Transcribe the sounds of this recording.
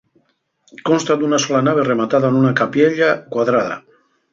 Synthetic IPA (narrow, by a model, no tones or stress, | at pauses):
konst̪ad̪unasɔlanaβ̞eremat̪aðaenunakapjeʎakwaðɾaða̰